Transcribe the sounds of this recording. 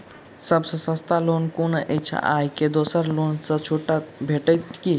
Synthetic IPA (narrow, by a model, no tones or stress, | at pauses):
səbsə̃sə̃st̪alonkonəʔɛt͡ʃʰə̰ʔajked̪osəɾlonsə̃t͡ʃʰoʈabʱeʈət̪ki